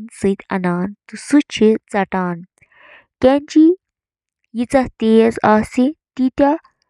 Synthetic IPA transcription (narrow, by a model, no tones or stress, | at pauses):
nsɨt̪ʲʰɐ̰naːnt̪usut͡ʃʰit͡sɐʈaːn | kɐnt͡ʃi | jit͡sɐht̪eːzaːsit̪it̪ʲɐ